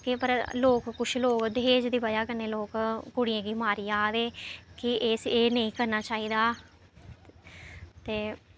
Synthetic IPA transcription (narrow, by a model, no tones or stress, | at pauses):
kepəɾloːkkʊʃʰloːkd̪eːd͡ʒd̪iːbəd͡ʒaːkəneːloːkkʊɽijãːɡiːmaːɾiːaːʋ̪eːkɪʔeseːnəĩːkəɾnaːt͡ʃaːiːd̪aː | t̪eː